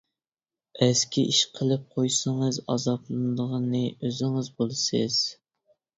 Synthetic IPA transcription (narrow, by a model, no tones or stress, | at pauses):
æskʲiʔiʃqʰəlˠɨp̚qʰojsɨŋɨzɑzɑblˠɨnɨd̪əʁnːɨøzɪŋɨzbolˠɨsɨz̥